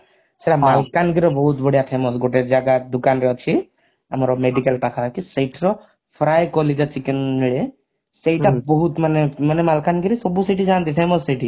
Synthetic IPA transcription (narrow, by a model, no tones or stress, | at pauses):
seɽamalkanɡiɾɔbɔɦut̪bɔɽ̤ijapʰemɔs̬ɡɔʈeɾd͡ʒaɡad̪ukanɾɛɔt͡ʃʰi | amɔɾɔmeɖikəlpakʰakiseʈʰɾɔ | pʰɾajkɔled͡ʒat͡ʃʰikenɦiɭe | sejʈabɔɦut̪manemanemalkanɡiɾesɔbusiʈid͡ʒant̪ipʰemɔsːiʈi